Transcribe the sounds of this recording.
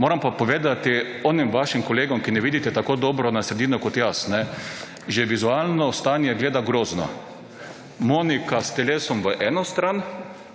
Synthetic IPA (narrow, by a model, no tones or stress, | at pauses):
moːɾampapoʋeːd̪at̪i | ɔːnimʋaʃimkɔleːɡɔmkinɛʋiːd̪it̪ɛt̪akoːd̪oːbɾɔnasɾed̪iːnɔkot̪jasnɛ | ʒɛʋizualnɔst̪aːnjɛɡleːd̪aɡɾoːznɔ̰ | monikast̪ɛleːsɔmʋəʔɛːnɔst̪ɾaːn